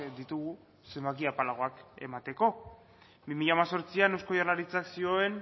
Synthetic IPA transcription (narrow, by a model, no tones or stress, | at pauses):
d̪it̪uɣ̞u | se̞mbak̬iapalaɣ̞o̞ake̞̰mat̪e̞ko̞ | bimiʎaːmaso̞ɾt͡siane̞wsko̞jaɾlaɾit͡saksio̞e̞n